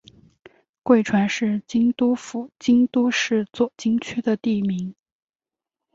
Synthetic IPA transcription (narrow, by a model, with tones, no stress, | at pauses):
kwe˥˩ɪʈ͡ʂʰwa˧˥nʂɻ̩˥˩t͡ɕi˥ŋt̪u˥fu˧˥t͡ɕi˥ŋt̪u˥ʂɻ̩˥˧t͡swɔ˥˩t͡ɕi˥ŋt͡ɕʰy˥d̪ə˨t̪i˥˩mi˧˥ŋ